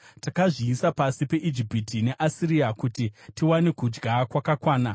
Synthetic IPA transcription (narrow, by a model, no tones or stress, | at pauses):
takaʐiːsapasipe̞ʔid͡ʒipitine̞ʔasiriakutitiwanekud͡ʒɡakwakakwaːna